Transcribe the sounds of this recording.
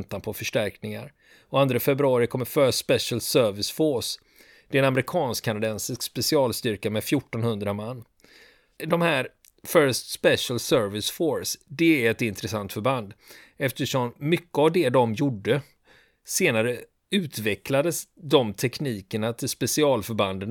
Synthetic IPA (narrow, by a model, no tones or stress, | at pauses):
nt̪anpʰɔfœʂʈæɾknɪŋa̰ɾ | ɔand̪ɾafɛbɾɵɑːɾɪkʰɔmːəfœsspɛʂəlsœɾvɪsfoːs | d̪̥ɛɛnamɾɪkʰɑːnskʰːanad̪ɛnsɪskspɛsɪɑːlst̪ʏɾkamɛd̪fjʊʈːɔnhɵnd̪ɾamanː | d̪ɔmhæːɾ | fœst̪spɛʂəlsœɾvɪsfoɾsd̪ɛæɾɛt̪ɪnt̪ɾɛsant̪fœɾband̪ɛft̪əʂɔmːʏkːəavd̪ɛd̪ɔmjʊɖːə | seːnaɾə | ʉ̟ːt̪vɛklad̪əsd̪ɔmt̪ʰɛkniːkəɳat̪ʰɪlspɛsɪɑːlfœɾband̪ən